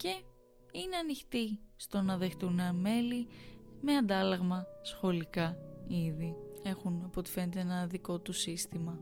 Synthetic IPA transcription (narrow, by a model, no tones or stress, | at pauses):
ce̞ | ineɐnixt̪ist̪o̞nɐðext̪unɐme̞lime̞ɐnd̪ɐlɐɣmɐsxo̞likɐiðie̞xunɐpo̞t̪i̥fe̞net̪eenɐðiko̞t̪usist̪imɐ